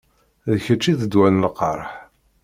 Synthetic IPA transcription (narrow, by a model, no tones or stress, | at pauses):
ðəçət͡ʃːiðəd̪wænəlqə̰ɾˤħ